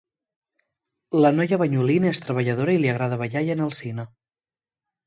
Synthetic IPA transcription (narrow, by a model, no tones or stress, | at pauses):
lənɔjəβəɲulinəest̪ɾəβ̞əʎəðoɾəiliəɣɾað̞əβəʎajənəlˠsinə